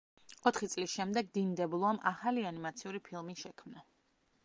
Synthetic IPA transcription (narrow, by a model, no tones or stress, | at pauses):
ɔt̪ʰχit̪sʼlisʃɛmd̪ɛɡ̚d̪ind̪ɛblˠɔamʔaχalianimat̪sʰiuɾipʰilˠmiʃɛkʰmna